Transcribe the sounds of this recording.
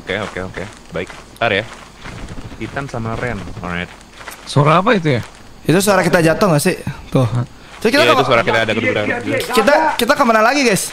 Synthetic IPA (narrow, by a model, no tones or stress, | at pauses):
okeokeoke | baɪk̚t̪aɾja | kit̪ansamaɾɛnɔ̰ɾajt̪̚ | soɾaːpait̪̬uja | it̪us̬oaɾakit̪ad͡ʒat̪ɔŋasɪt̪ʊh | t̪ʊkit̪aait̪usoaɾakit̪aːdakəduɡɾaɾkit̪akit̪akəmənalaɡiɡajs